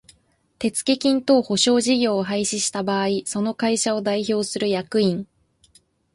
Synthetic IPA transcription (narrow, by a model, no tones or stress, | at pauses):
t̪e̞t͡sɨ̥ke̞kʲĩnt̪o̞ːho̞ɕo̞ːʑiɡʲo̞ːɦaiɕiɕi̥t̪abaːiso̞no̞kaiɕao̞d̪aiço̞ːsɨɾɯ̟jakɯ̟ĩŋ